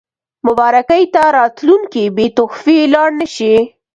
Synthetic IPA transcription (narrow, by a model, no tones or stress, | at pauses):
mʊbɑɾakajt̪aɾɑt̪luŋkibet̪ʊxfelɑɽnəʃi